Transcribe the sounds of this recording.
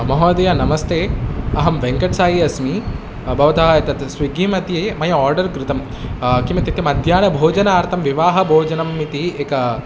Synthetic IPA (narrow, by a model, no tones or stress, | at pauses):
mɐɦɐːd̪ɐjanɐmɐst̪eːɐɦɐmʋeŋkɐʈsaːjiɐsmi | bɐʋɐt̪aɦɐɐt̪ɐt̪sʋiɡiːmɐt̪jeːmɐjɐɔːɾɖɐɾkɾɪt̪ɐm | kimɐt̪it̪jɐmɐd̪ʱjaːnɐbʱoːd͡ʒɐnaːɾt̪ʰɐmʋiʋaːɦɐbʱoːd͡ʒɐnɐmːit̪ieːkɐ